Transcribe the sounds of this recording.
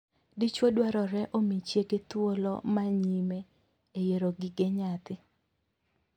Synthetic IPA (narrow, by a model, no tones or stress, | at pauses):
dit͡ʃwodwaɾɔɾɛʔomit͡ʃjeɡet̪wolɔ̰maɲime | ejeɾoɡɪɡeɲat̪ɪ